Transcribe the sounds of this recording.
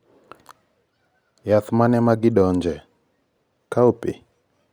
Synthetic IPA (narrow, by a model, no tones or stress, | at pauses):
jat̪manɛmaɡɪdɔɲd͡ʒɛ | kaopɪ